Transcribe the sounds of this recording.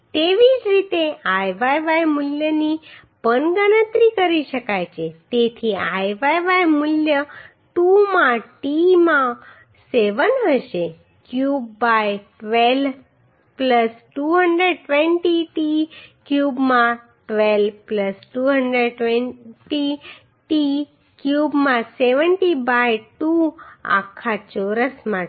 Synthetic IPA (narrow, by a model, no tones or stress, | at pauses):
t̪eʋid͡ʒɾit̪eajʋajʋajmʊljəni | b̥ənɡənət̪ɾikəɾiʃəkajt͡ʃʰet̪et̪ʰiajʋajʋajmʊljə | ʈumãʈimã | seʋənɦəʃe | kjubːajʈʋel | pləsʈuɦəɳɖɾeɖ̚ʈʋenʈiʈikjubmã | ʈʋelpləsʈuɦəɳɖɾeɖʈʋẽnʈi | ʈi | kjubmãseʋənʈibajʈua̰kʰːat͡ʃoɾəsmã